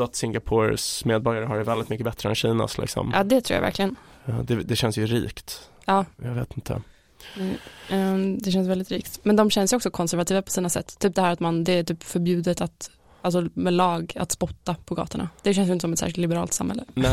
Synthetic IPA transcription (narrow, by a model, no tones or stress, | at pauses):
at̪sɪŋɡapʰoɾsmeːd̪̚bɔɾjaɾəɦaɾvɛld̪ɪt̪mʏkːəbɛt̪ɾəɛ̰nɕiːna̰slɪ̰ksɔ̰mjɑ̰ːd̪ɛt̪ʰɾuːja̰væ̰ɾkʰlɪɡən | d̪ɛd̪ɛɕɛnsjɵɾḭːkt̪ | ɑːja̰ɡveːt̪ɪnt̪ʰə̰ | nɛ | d̪ɛɕɛns̬vɛld̪ɪt̪ɾiːkt̪mɛnd̪ɔmɕɛnːsjəɔksɔkʰɔnsæɾvat̪iːvapʰɔ̥siːnasɛ̰t̪ːt̪ʰːyːp̚d̪ɛhæːɾat̪mand̪ɛːt̪yːpfœɾbjʉ̟ːd̪ət̪at̪ | alsɔmɛlɑːɡa̰t̪spɔt̪ːapʰɔɡɑ̰ːt̪ʊɳa̰d̪̥ɛʃɛnsjʏɪt̪əsɔmɛt̪sæ̰ːʂɪlt̪lɪbɛɾɑːlt̪sa̰mhɛlːənɛ